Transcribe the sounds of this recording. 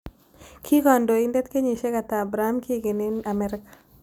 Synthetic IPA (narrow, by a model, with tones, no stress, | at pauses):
kʰi˦ɡɔ˨ndo˨i˦ndɛ˦t̪ke˦ɲi˨ʃe˦ka˨t̪aː˨bɾa˨a˦mki˦ɡɪ˨nɪ˦na˨mɛ˨ɾɪ˦kḁ˨